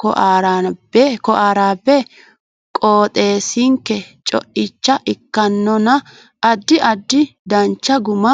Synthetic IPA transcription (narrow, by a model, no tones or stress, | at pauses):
kɔʔaːɾabɛkɔʔaːɾaːbːɛ | kʼoːt̪ʼe̞ːsɪŋkːɛt͡ʃʼɔ̰ʔɪt͡ʃːɐʔɪkːɐnːɔnɐ | ʔɐd̪ːɪʔɐd̪ːɪd̪ɐnt͡ʃːɐɡʊmɐ